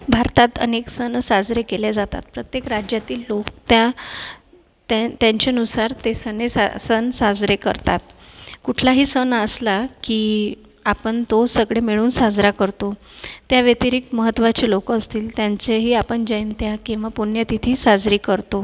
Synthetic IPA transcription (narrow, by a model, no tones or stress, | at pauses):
bʱaɾt̪at̪ə̰neksənsad͡zɾekeled͡zat̪a̰t̪̚pɾət̪jekɾad͡ʑjat̪iːlːokt̪ja | t̪at̪jaɲt͡ɕeənusaɾt̪esənesasənsad͡zɾekə̰ɾt̪a̰t̪̚kuʈʰlaɦiːsənəslakiː | apəɳt̪osəɡɭemiɭuːnsad͡zɾakəɾt̪o | t̪jaʋet̪iɾik̚t̪məɦət̪ːʋat͡ɕelokəːst̪iːlt̪jant͡seɦiːapəɳd͡ʑəint̪jakĩw̃ʋapunjət̪it̪ʰiːsad͡zɾiːkəɾt̪o